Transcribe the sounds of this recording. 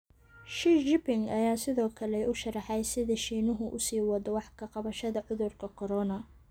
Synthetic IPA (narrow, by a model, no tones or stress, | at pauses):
ʃid͡ʒɪpɪŋɡɐjaːsɪðɔːkʰɐlɛʊʃɐrɑħɛjsɪðɐʃiːnʊɦʊʔʊsiːwɑd̪ɔwɑħkʰɐqɑβɐʃɐðɐʕʊðʊrkʰɐkʰɔɾɔnɐ